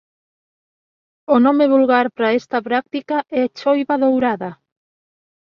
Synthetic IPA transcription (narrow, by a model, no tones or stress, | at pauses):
onɔmeβulɣaɾpɾaɛst̪ɐpɾak̚t̪ikaʔɛat͡ʃojβaðowɾaðɐ